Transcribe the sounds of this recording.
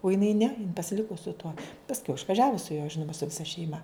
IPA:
ʊ jɪˈnɐɪ nʲɛ pɐsʲɪˈlʲɪkʊ sʊ tuɔ pɐsʲˈkʲɛʊ ɪʃʋɐˈʒʲæːʋʊ sʊ juɔ ˈʒʲɪnʊmɐ sʊ ʋʲɪˈsɐ ʃʲɛɪˈmɐ

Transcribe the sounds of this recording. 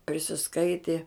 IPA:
pʲrʲɪsʲɪsˈkɐɪtʲeː

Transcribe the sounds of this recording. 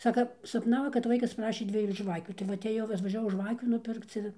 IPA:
ˈsɑːkɐ sɐpˈnɑːʋoː kɐt ˈʋɐɪkɐs ˈprɑːʃʲeː ˈdʲʋʲiɛjuː ˈʒʋɑːkʲuː tɐɪ ˈʋɐ ɐtʲeːˈjɛʊ ɐtʋɐʒʲɛˈʋɐʊ ˈʒʋɑːkʲuː nʊˈpʲɪrkt͡s ɪr

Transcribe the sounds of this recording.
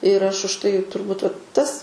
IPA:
ɪr ˈɐʃ ʊʃ tɐɪ tʊrˈbuːt ʋɐ ˈtɐs

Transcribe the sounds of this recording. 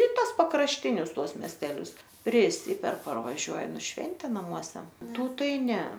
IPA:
ɪ ˈtɐs pɐkrɐʃʲˈtʲɪnʲʊs ˈtuɔs mʲɛsʲtʲɛˈlʲʊs pʲrʲɪˈsʲɪpʲɛr pɐrʋɐˈʒʲuɔjɛm ɪr ˈʃʲʋʲɛnʲtʲeː nɐˈmuɔsʲɛ ˈtuː ˈtɐɪ ˈnʲɛ

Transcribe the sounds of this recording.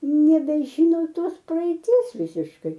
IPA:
nʲɛbʲɛˈʒʲɪnoː ˈtoːs prɐɛɪˈtʲiɛs ˈʋʲɪsʲɪʃkɐɪ

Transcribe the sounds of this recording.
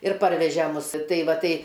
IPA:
ɪr ˈpɐrʲʋʲɛʒʲɛ ˈmʊs ˈtɐɪ ˈʋɐ ˈtɐɪ

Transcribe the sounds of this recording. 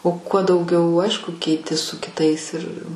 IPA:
oː kuɔ dɐʊˈɡʲɛʊ ˈɐɪʃkʊ kʲɛɪˈtʲɪ sʊ kʲɪˈtɐɪs ɪr

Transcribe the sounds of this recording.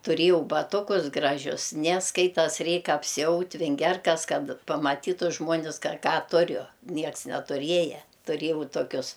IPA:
tʊˈrʲeːjɛʊ bɐˈtʊkʊs ˈɡrɑːʒʲʊs nʲɛ ˈskɐɪtɐs ˈrʲɛɪk ɐpʲsʲɪˈɐʊtʲ ʋʲɪŋʲˈɡʲɛrkɐs ˈkɐt pɐmɐˈtʲiːtʊ ʒmuɔˈnʲɪs kɐ ˈkɑː ˈtʊrʲʊ ˈnʲiɛks nʲɛtʊˈrʲiɛjɛ tʊˈrʲiɛjɛʊ toːˈkʲʊs

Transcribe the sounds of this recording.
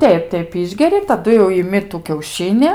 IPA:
ˈtʲɛɪp ˈtʲɛɪp ˈɪʒʲɡʲɛrʲɪ tɐˈdʊ jɛʊ ɪˈmʲɪ tʊ kʲɛʊˈʃʲɪnʲɪ

